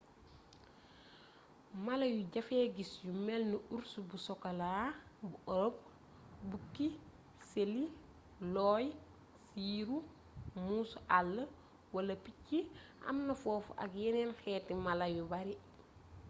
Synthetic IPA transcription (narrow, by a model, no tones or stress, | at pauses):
mɐlɐjuɟɐfɛːɡisjumɛlnuuɾsubusɔkɐlaːbuʔɔɾɔp̚ | bukːi | seli | lɔːj | siːɾu | muːsuʔalːə | wɐlɐpicːiʔɐ̰mnɐfɔːfɐ̰kjɛnɛnxɛːtːimalɐjubɐɾi